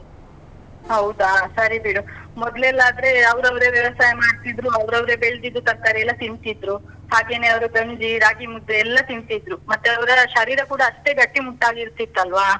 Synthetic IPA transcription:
ɦɐwd̪asɐɾibiɽumɔd̪lɛlːaːd̪ɐɾe̞ɐʋɐɾɐʋɾe̞ːʋjɐʋɐsaːjɐmaːɽt̪id̪ɾuɐʋɾɐʋɾe̞ːbeɭd̪id̪ːuk̪ɐɾ̚t̪aːɾeɛlːɐt̪int̪id̪ɾu | haːɡe̞ːne̞ːɐʋɐɾuɡɐɲd͡ʒiɾaːɡimud̪ːeɛlːɐt̪int̪id̪ɾumɐt̪ːeɐʋɐɾɐʃɐɾiːɾɐkuːɽɐːʂʈe̞ːɡɐʈːimuʈːaːɡiɾut̪ːit̪ːɐlʋaː

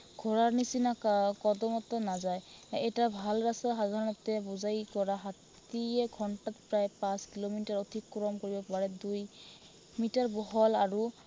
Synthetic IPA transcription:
ɡʱɔɹaɹnisinakakɔdɔmɔtɔnazajɛjtabʱalɹasaxadʱaɹɔnɔtɛbuzajkɔɹaɦat | iɛɡʱɔntatpɹajpãskilomintaɹodʱikːɹɔmkoɹibɔk̚baɹɛduj | mitaɹbɔɦɔlaɹu

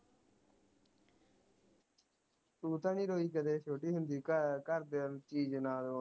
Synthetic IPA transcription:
tuːt̪ãːniːɾoːiːkəd̪eːʃoːʈiːɦʊnd̪iːkəɾd̪eːnt͡ʃiːd͡ʒnaːd̪oː

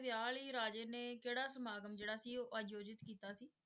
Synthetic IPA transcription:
ʋjaːliːɾaːd͡ʒeːneːkeːɽaːsəmaːɡəmd͡ʒeːɽaːsiːoːʔəd͡ʒjoːd͡ʒɪt̪kiːt̪aːsiː

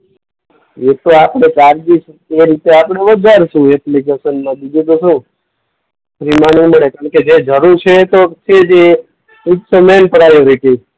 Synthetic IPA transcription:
et̪oapɽ̃ekaɾd͡ʒis | eɾit̪eapɳeʋəd͡ʒaɾʃũeplikesənmãd̪id͡ʒut̪oʃũ | pɾimaniməɭekaɳ̃ked͡ʒed͡ʒəɾuɾt͡ʃʰet̪ot͡ʃʰed͡ʒe | itsəmenpəɾajɾeke

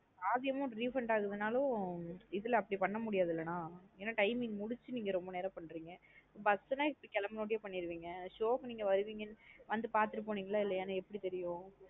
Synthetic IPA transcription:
aːðɪjɐmʊ̃ɾiːfɾɐɳɖaːɣɯðɐnaːlõɪðɯlɐpːɐɽipɐɳːɐmʊɽɪjaːðɪlːɐnãːeːnːaːʈɐɪmɪŋmʊɽɪt͡ʃːɯniːŋɡɐɾɔmbɐneːɾɐpɐɳːɾiːŋɡɐobɐsnãːɪpːɐɽikɛlɐmɐnoːɽɪjeːpɐɳːɪɾɯʋiːŋɡɐʂoːkniːŋɡɐʋɐɾɯʋiːŋɡɐnːɯʋɐnd̪ɯpaːɾt̪ɯɾɯpːoːniːŋɡɐlaːɪlːɐjaːnaɛpːɐɽit̪ɛɾɪjʊ̃ː

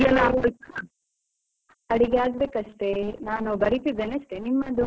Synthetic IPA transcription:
ɐlaɾo | ɐɽiɡeaːɡbeːkɐʂʈe̞naːnubɐɾit̪id̪ːeːneɐʂʈenimːɐd̪u

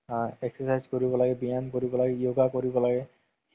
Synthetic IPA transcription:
ɛksɔsajzkoɹibɔlaɡɛbijankoɹibɔlaɡɛijoɡakoɹibɔlaɡɛ

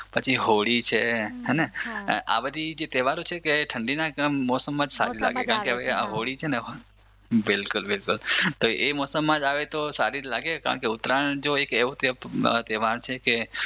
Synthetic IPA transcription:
pət͡ʃʰiɦoɭit͡ʃʰeɦɛneʔa̰bəd̪ʱid͡ʒet̪ɛʋaɾũt͡ʃʰekeʈʰəɳɖinamɔsəmːãd͡ʒsa̰ɾila̰ɡekaɾəɳkeɦaʋea̰ɦoɭit͡ʃʰeneɦ | bɪlkʊlbɪlkʊlt̪oemɔsəmːãd͡ʒaʋet̪osaɾilaɡeka̰ɾə̰ɳkeʊt̪ɾand͡ʒoekeʋũt̪əpt̪ɛʋaɳt͡ʃʰeke

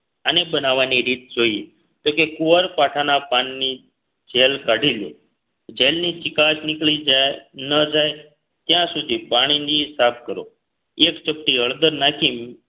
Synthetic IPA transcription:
ənebənaʋaniɾit̪̚d͡ʒoi | t̪okekuʋəɾpaʈʰanapanːi | d͡ʒelkaɽʱiljo̰ | d͡ʒelnit͡ʃɪkaʃnɪkɭid͡ʒanəd͡ʒae | t̪jãsud̪ʱipaɽ̃inisap̚ʰkəɾo̰ | ekt͡ʃəp̚ʈiəɭd̪əɾnakʰim

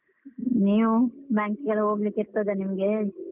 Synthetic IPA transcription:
niːʋubjaːŋkɡɐɭɦoːɡlikiɾt̪ɐd̪enimɡe

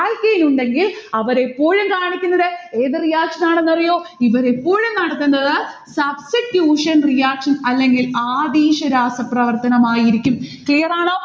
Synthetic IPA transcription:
ɐːlkejnuɳɖe̞ŋɡilɐʋɐɾe̞pːoːɻumkaːɳikʲːunːɐðeeːðɨrijaːkʂɐnaːɳenːɐrijo̞ːiʋɐɾepːoːɻumnɐɽɐt̪ːunːɐðɨsɐbsiʈjuːʂɐnrijaːkʂɐnɐlːe̞ŋɡilaːd̪iːʂɐɾaːsɐprɐʋɐrt̪ɐnɐmaːjiɾikʲːumklijɐraːɳoː

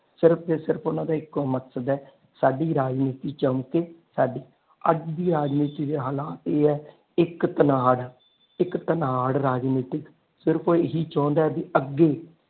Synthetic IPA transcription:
sɪɾp̪ʰeːsɪɾpʰʊnãːd̪aːɪkməksəd̪ɛː | saːɖiːɾaːd͡ʒniːt̪iːt͡ʃəmkeːsaːɖiː | ə̰d͡ʒd̪iːɾaːd͡ʒniːt̪iːd̪eːɦaːlaːt̪eːɛː | ɪkt̪ənaːɽ | ɪkt̪ənaːɽɾaːd͡ʒniːʈɪk | sɪɾpʰoːɪɦiːt͡ʃãːnd̪aːɛːb̪iːəɡːeː

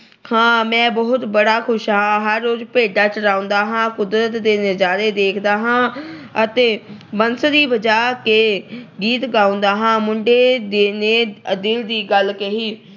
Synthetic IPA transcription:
hãːmɛ̃ːbəɦʊt̪bəɽaːkʰʊʃɦãːɦəɾːoːzpeːɖaːt͡ʃəɾaːõnd̪aːɦãːkʊd̪ɾət̪d̪eːnɪzaːɾeːd̪eːkʰd̪aːɦãːət̪eːbənsd̪iːbəd͡ʒaːkeːɡiːt̪ɡaːʊ̃nd̪aːɦãːmʊɳɖeːd̪eːneːəd̪ɪld̪iːɡəlkeɦiː

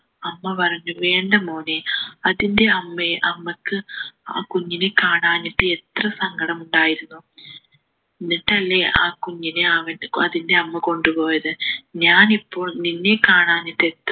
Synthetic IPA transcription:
ɐmːɐpɐrɐɲːuʋe̞ːɳɖɐmoːneɐðindeɐmːeʔɐmːɐkːɨa̰ːkuɲːinekaːɳaːniʈːɨe̞t̪rɐsɐŋɡɐɽɐmuɳɖaːjiɾunːu | inːiʈːɐlːe̞aːkuɲːineɐʋɐnɐðinde̞ɐmːɐko̞ɳɖupo̞ːjɐðɨɲaːnipːo̞ːɭninːe̞kaːɳaːniʈːet̪ː

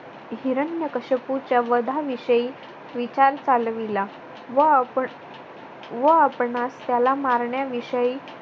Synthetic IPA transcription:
ɦiɾənjəkəɕəput͡ɕjaʋəd̪ʱaʋiɕəi | ʋit͡ɕaɾt͡salʋila | ʋəp | ʋəapɳast̪jalamaɾɳjaʋiɕəiː

